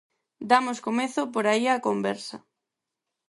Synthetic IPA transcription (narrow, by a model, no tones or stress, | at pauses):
d̪amʊskomeθʊpoɾaiakombɛɾsɐ